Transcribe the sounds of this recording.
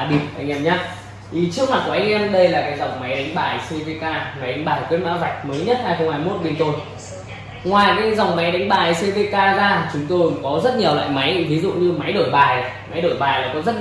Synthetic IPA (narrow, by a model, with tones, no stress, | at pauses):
a˧˩ɗi˨˧˩əmʔa˧jŋʔɛ˧mɲaː˦ | t̪ʰi˨˩t͡ɕɨ˦˥ək̚wa˨˩t̚ku˧˩ʔa˧jŋ̟ʔɛ˧mɗə˧jlaː˨˩kaː˨˦jza˨˩wŋ͡mma˨˦jɗa˨˦jŋ̟ɓaː˨˩jse˧ve˧kaː˧ŋa˨˩jʔa˨˦ŋɓaː˨˩jwt̚ma̰ː˧˥va˨˩k̟̚məː˨˦jɲə˦˥t̚haː˧jxə˧ŋ͡mhaː˧jmo˦˥t̚ɓe˧nt̪o˧j | ŋwaː˨˩jkaː˨˦za˨˩wŋ͡mma˨˦jɗa˨˦ŋ̟ɓaː˨˩ʔjse˧ve˧kaː˧zaː˧˨t͡ɕʊ˨˦ŋ͡mt̪o˧jkɔ˨˦zə˦˥t̚ɲi˨˩əwla̰ː˧˨jma˨˦jvi˨˦zṵ˧˨ɲɨ˧ma˨˦jɗo˧˩jɓaː˨˩ja˨˦ma˨˦jɗo˧˩jɓaː˨˩laː˨˩kɔ˨˦zə˦˥t̚